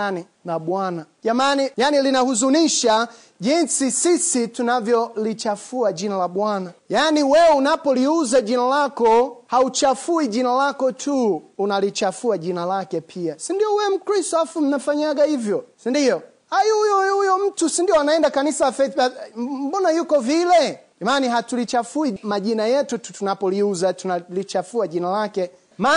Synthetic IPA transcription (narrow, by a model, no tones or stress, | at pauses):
ni | laɓwanaʄamanijanilinahuzuniʃa | ʄinsisisitunavjɔlit͡ʃafuaʄinalaɓwanajaniwɛɔunapɔliuzaʄinalakɔhaut͡ʃafuiʄinalakɔtʰuunalit͡ʃafuaʄinalakɛpʰiasindiɔwɛm̩kɾistɔafum̩nafaɲaɡahivjɔsindiɔ | hajujɔjujɔm̩tusindiɔanaɛndakanisalafɛam̩ɓɔnajukɔvilɛʄamaːniɦatulit͡ʃafuimaʄinajɛtututunapɔliuzatunalit͡ʃafuaʄinalakɛ | ma